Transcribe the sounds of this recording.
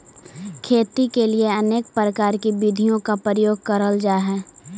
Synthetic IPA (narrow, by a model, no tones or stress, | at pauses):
kʰeːt̪ikelieɐneːk̚pɾəkaːɾkibid̪ʱijõkapɾəjoːɡ̚kəɾəld͡ʒaːɦɛː